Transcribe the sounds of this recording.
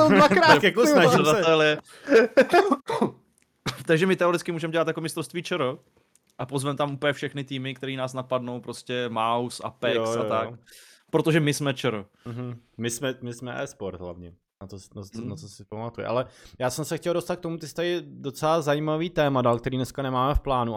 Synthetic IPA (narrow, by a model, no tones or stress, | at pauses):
vakɾajakoaɾadat̪ɛlɪɛ | t̪aɡʒɛmɪt̪ɛoɾɪtt͡skɪmuːʒɛmɟɛlat̪jakomɪst̪ɾofst̪viːt͡ʃɛɾo | ʔapozvɛmt̪amʔupɲɛfʃɛxnɪt̪iːmɪk̚t̪ɛɾiːnaːsnapadno̞wpɾoscɛmawsa̰pɛoat̪ak | pɾot̪oʒɛmɪsmɛt͡ʃɛɾo | m̩ɦ̩mɪsmɛmɪsmɛʔɛ̰ːspoɾt̪ɦla̰vɲɛ | natosnanat͡sosɪpamat̪ujɪ̰ʔa̰lɛjaːsɛmsɛxcɛldo̞st̪at̪̚kt̪o̞mut̪ɪst̪ajɪdo̞t͡sɛlazajiːmaviːt̪ɛːmadaːlkt̪ɛɾiːnɛskanɛmaːmɛfplaːnu